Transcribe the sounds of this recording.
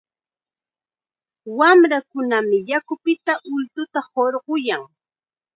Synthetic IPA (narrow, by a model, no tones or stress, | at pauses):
wamɾakʊnamɪjakʊpɪt̪aʔʊlt̪ʊt̪ahoɾɢʊjaŋ